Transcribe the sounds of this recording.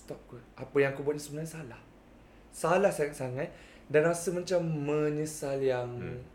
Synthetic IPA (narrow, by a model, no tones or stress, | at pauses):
st̪ɔp̚kuʔapəjaŋkubuat̪̚ɲasəbənaɲsalah | salahsaŋat̪̚saŋat̪̚ | danmasəmat͡ʃamːə̃nisaljaŋ